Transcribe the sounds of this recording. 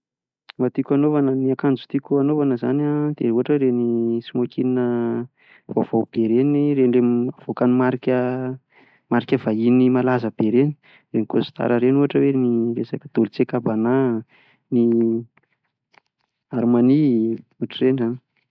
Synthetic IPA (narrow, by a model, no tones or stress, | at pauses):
mat̪ikʲanovanəniakand͡ʒu̥t̪ikʲuanovanəza̰nad̪̥euɦaʈ͡ʂəɾenisimokininə | va̰v̥awb̥eɾeniɾenlemav̥okanimaɾikʲə | maɾikʲəvainimalazəb̥eɾeni̥ | renikosi̥t̪a̰ɾəɾenuɦaʈ͡ʂəweniresajkəd̪̥olut͡sekabana | ni | aɾmaniuɦaʈ͡ʂərenzani̥